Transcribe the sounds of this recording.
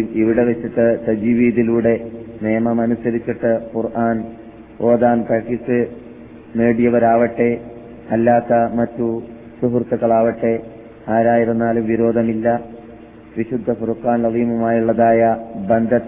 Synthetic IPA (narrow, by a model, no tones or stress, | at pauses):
iʋiɽe̞ʋet͡ɕːiʈːɨsɐd͡ʑiʋiːðiluːɽe̞neːmɐmɐnusɐɾit͡ɕːiʈːɨkurʔaːn | oːd̪aːnkɐkisɨ | me̞ːɽijɐʋɐɾaːʋɐʈːe̞ | ɐlːaːkːɐmɐtːu | suɦurt̪ːɐɣɐɭaːʋɐʈːe̞ | aːɾaːjiɾɐnːaːlumʋiɾo̞ːd̪ʱɐmilːɐ | ʋiɕud̪ʱːɐfurkːaːnlɐðiːmumaːjuɭːɐðaːjɐbɐnd̪ʱɐt̪